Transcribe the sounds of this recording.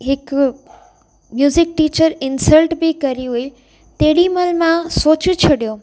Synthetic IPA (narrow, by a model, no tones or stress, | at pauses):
ɦɪk | mjuːzɪk̚ʈiːt͡ɕəɾɪnsəlʈbɪkɐɾiɦui | t̪eːɽimɐlmãsoːt͡ɕʊt͡ɕʰɐɗijoː